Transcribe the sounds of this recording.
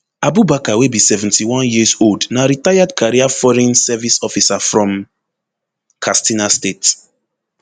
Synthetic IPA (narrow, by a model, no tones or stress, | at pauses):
abubakawebisɛvɛ̃ntʰiwɔ̃njizoldnaɾitajadkʰaɹiafɔɹɛ̃nsɛvisɔfisafɹɔ̃m | kʰastinastet